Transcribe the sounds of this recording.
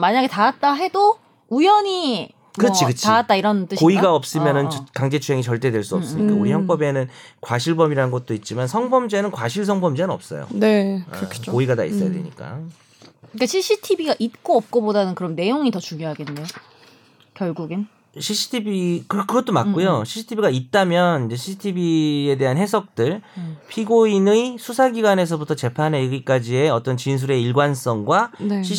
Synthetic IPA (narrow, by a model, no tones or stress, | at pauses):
maɲaɡe̞taat̚t͈aɦe̞do | ujʌɲi | kɯʌt͡ɕʰikɯt͡ɕʰiaat̚t͈aiɾʌnt͈ɯɕkoiɡaʌp̚s͈ɯmjʌnɯnkaŋd͡ʑe̞t͡ɕʰuɦe̞ŋit͡ɕʌɭt͈e̞dwe̞ɭs͈uʌps͈ɯɲikauɾiçjʌŋp͈ʌbe̞nɯn | kwaɕʰiɭbʌmiɾaɯnɡʌt̚t͈oit̚t͡ɕ͈imansʰʌŋbʌmd͡ʑe̞nɯnkwa̰ɕʰiɭs̬ʰʌŋbʌmd͡ʑenɯnʌp̚s͈ʌ̰jo̰nekɯɾkʰkoiɡata̰ḭs͈ʌja̰dḛɲḭk͈a̰ | k͈aɕʰiɕ͈ʰitʰibiɡaʔit̚k͈oʌp̚k͈ʌbodanɯnkɯɾʌnːe̞joŋitʌt͡ɕuŋjoɦaɡe̞nːejo | kjʌɭɡuɡin | ɕʰiɕʰi̥tʰibikɯkɯɡʌt͈omakk͈ojoɕʰiɕʰi̥tʰibiɡait̚t͈amjʌnind͡ʑe̞ɕʰiɕʰtʰibie̞de̞ɦanɦe̞sʰʌk̚t͈ɯɭpʰiɡoinɯisʰusʰaɡiɡwane̞s̬ʰʌbutʰʌt͡ɕe̞pʰaneiɡik͈ad͡ʑie̞ʌt͈ʌnt͡ɕins̬ʰuɾe̞iɭɡwans͈ʌŋɡwaneɕʰi